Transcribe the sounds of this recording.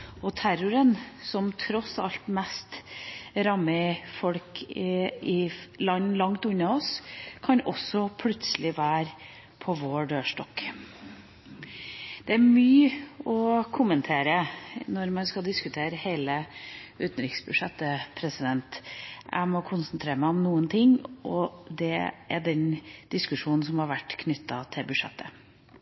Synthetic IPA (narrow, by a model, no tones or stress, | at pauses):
ɔt̪ʰæɾʊɾənsɔmt̪ʰɾɔsɑlt̪mɛst̪ɾɑmːəfɔlkʰɪɪlɑnːlɑŋt̪ʉnːɑɔskʰɑnɔsɔpʰlʉt̪səlɪʋæːɾ | pʰɔʋoːɖøːʂʈɔk | d̪̥ɛæɾmyːɔkʰʊmənt̪ʰeːɾənɔɾmɑnskɑld̪ɪskʉt̪ʰeːɾəheɪləʉːt̪nɾɪksbʉʂɛt̪ːəpʰɾɛsɪd̪ɛnt̪ʔæ̰ɪmɔkʰʊnsənt̪ʰɾeːɾəmæɪɔmnuːənt̪ʰɪŋːʔɔd̪ɛʔæɖɛnd̪̥ɪskʉʂuːnn̩sɔmhɑɾʋæʈːkʰnʏt̪ːɑt̪ʰɪlbʉʂɛ̰t̪ːə